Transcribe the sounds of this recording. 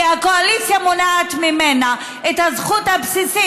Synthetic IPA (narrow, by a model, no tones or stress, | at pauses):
akoalit͡sjamonaat̪mimena | et̪hazχuthabsisi